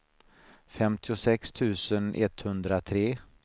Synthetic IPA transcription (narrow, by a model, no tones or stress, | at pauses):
fɛmt̪ʰɪʊsɛkst̪ʰʉ̟ːsənʔɛ̰t̪hɵnd̪ɾat̪ʰɾeː